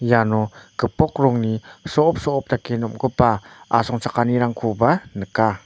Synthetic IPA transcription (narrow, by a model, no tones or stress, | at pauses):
janɔkəpɔk̚ɾɔŋnisɔːp̚sɔʔːp̚t̪akenɔmkəpaʔasɔŋt͡ʃakaniɾaŋkʰubanəka